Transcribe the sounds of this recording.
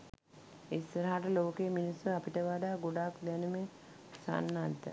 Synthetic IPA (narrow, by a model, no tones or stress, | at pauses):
isːəɾaɦaʈəloːkeːminisːuapiʈəʋad̪aːɡoɖakd̪ɛnume | sa̰nːat̪ːə̰